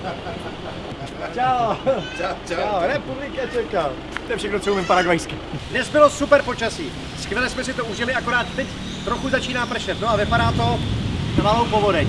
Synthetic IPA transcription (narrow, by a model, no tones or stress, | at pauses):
t͡ʃaot͡ʃaoɾɛpublɪkat͡ʃɛkal | t̪ojɛfʃɛxnot͡soumɪmpaɾaɡajskɪ | dnɛzbɪlo̞supɛɾpo̞t͡ʃasiː | skvʲɛlɛsmɛsɪt̪ouʒɪlɪako̞ɾaːt̪̚t̪ɛc | t̪ɾoxuzat͡ʃiːnaːpr̩ʃɛt̪noavɪpadaːt̪o̞malowpovodɛɲ